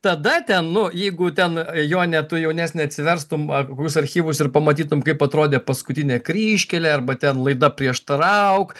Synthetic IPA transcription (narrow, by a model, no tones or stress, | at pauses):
t̪ɐd̪ɐt̪ʲɛnnʊjɛɪɡʊt̪ʲɛnjoːnʲɛt̪ʊjɛʊnʲæːsʲnʲɛɐt̪ʲsʲɪʋʲɛɾst̪ʊmɐkkoːkʲʊsɐɾʲxʲiːʋʊsɪrpɐmɐt̪ʲiːt̪ʊmkɐɪpɐt̪ɾoːd̪ʲeːpɐskʊt̪ʲɪnʲɛkɾʲiːʃʲkʲɛlʲeːɐɾbɐt̪ʲɛnlˠɐɪd̪ɐpʲɾʲiɛʃt̪ɐɾɐʊk